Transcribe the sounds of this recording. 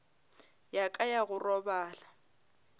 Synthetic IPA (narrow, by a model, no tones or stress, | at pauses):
jakʼajaɣʊrɔbaːla